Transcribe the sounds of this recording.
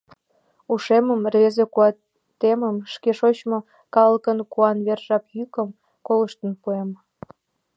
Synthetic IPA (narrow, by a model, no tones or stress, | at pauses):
uʃeməmrβezekuɑ | t̪eməmʃkeʃot͡ɕmo | kɑləkənkuɑnβerʒɑpjykəm | koləʃt̪ənpuem